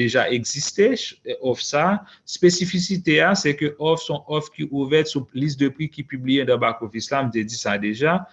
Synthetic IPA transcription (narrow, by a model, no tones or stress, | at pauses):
eʒaʔɛɡzist̪eɔfsa | spesifisit̪easɛkøʔɔfsɔ̃ʔɔfkiʔuvɛt̪sulist̪̚d̪əpʁikipyblijed̪ãbakovislam̩t̪ed͡zisad̪eʒa